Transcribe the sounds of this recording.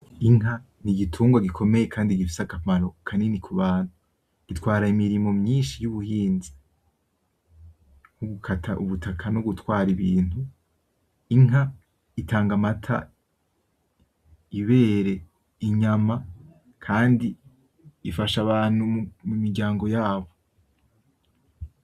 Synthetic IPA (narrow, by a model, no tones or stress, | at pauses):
iŋɦa | niɡitʰuːŋɡwaɡikʰo̞me̞je̞kʰaːndiɡifi̥sakamaɾokʰanenikʰuβaːnu | ɡ̥itwaːɾaimiɾimo̞mɲiːnʃijuβuhiːnzi | ŋuɡukʰatʰaʔuβutʰakʰanuɡutwaːɾiβiːn̥u | iŋa | itʰaːŋɡamatʰa̰ | iβe̞ːɾe̞ | iɲama | kʰaːndiː | faʃaβaːnumumiɡɟaːŋɡo̞jaːβo̞